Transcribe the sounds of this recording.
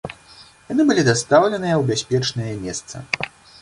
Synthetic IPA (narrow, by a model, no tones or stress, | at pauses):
janɨbɨlʲid̪ast̪awlʲɛnɨjɐwbʲasʲpʲɛt͡ʂnɨjɐmʲɛst̪sɐ̰